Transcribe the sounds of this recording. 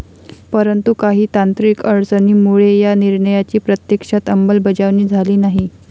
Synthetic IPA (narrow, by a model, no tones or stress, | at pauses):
pəɾənt̪ukaɦiːt̪ant̪ɾiːkəɭt͡səniːmuɭejaniɾɳəjat͡ɕiːpɾət̪jekʂat̪əmbəlbəd͡ʑaʋniːd͡zʱaliːnaɦi